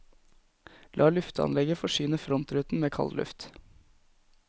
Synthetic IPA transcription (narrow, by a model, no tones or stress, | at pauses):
lʔɑːlʉft̪əɑ̰nlɛɡəfɔʃyːnəfɾɔnt̪ɾʉːt̪n̩meːkʰɑ̰llʉ̰ft̪